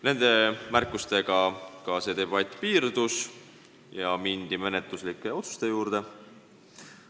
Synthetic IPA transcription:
ne̞nd̪̥e̞mærkːˑust̪e̞ɡ̥ɑkɑse̞d̪e̞b̥ɑt̪ʲːˑpiːrd̪̥us | jɑmind̪ime̞net̪luslikːˑe̞o̞t̪su̥st̪e̞juːɾd̪̥e̞

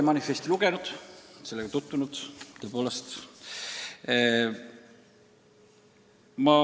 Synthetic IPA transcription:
emɑnifest̪iluɡ̥enud̪̥se̞lːeɡɑt̪ut̪ːunud̪̥t̪ø̞poːlest̪ | mɑ

